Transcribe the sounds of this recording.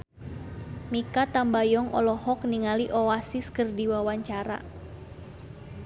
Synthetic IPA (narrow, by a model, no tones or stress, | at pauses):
mikat̪ambajɔŋʔɔ̰lɔhɔk̚niŋaliʔɔwasiskərdiwawaɲt͡ʃaɾa̰